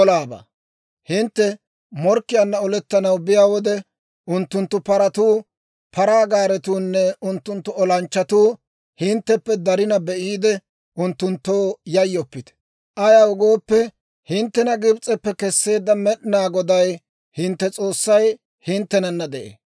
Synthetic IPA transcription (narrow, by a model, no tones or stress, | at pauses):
ɔlaːba̰ː | hɪnt̪ːɛ | mɔɾkːɪjɐnːɐɔlɛt̪ːɐnɐwbɪjaːwɔd̪ɛ | ʊnt̪ːʊnt̪ːʊpɐɾɐt̪uː | pʰɐɾaːɡaːɾɛt̪uːnːɛʊnt̪ːʊnt̪ːʊɔlɐnt͡ʃːɐt̪uː | hɪnt̪ːɛpːɛd̪ɐɾɪnɐbɛʔiːd̪ɛ | ʔʊnt̪ːʊnt̪ːoːjɐjːɔpːɪt̪ɛ̥ | ʔɐjawʊɡoːpːɛ | hɪnt̪ːɛnɐɡɪbt͡sʼɛpːɛkɛsːe̞ːd̪ːɐmɛɗnaːɡɔd̪ɐj | hɪnt̪ːɛt͡sʼo̞ːsːɐj | hɪnt̪ːɛnɐnːɐd̪ɛʔḛː